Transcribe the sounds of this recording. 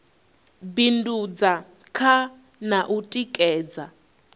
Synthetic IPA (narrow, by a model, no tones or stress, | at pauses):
bindud͡za | kʰa | naʔutʼikʼɛːd͡za